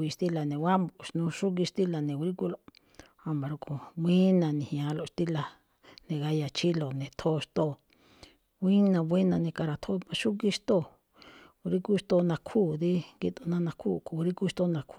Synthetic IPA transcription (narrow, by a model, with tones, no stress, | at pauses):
i˧ʃt̪i˦la˨nẽ˨wʷa˦mbo˨˧ʃnũ˧ʃu˦k̬i˧ʃt̪i˦la˧nẽ˨˧ɾi˦ku˧˦lo˦ | a˧mã˧ɾu˧ko˨wʷĩ˦nã˧nĩ˨hĩ˧ã˧˦˧lo˧ʂt̪i˦la˧ | nẽ˧ɣa˧ja˨t͡ʃi˦lo˨nẽ˨t̪ʰo˦˧ʂt̪o˦˨ | wʷĩ˦nã˧βi˦nã˧nẽ˧ka˧ɾa˧˨t̪ʰo˦mã˧ʃu˦ki˧ʂt̪o˦ | u˧ɾi˦ku˦˧t̪o˧nã˧kʰuː˦˨d̪i˦ɡi˧t̪o˧nã˦˧nã˧kʰṵː˦˨ko˧˨u˧ɾi˦ku˦˧ʃt̪o˦˧nã˧kʰu˦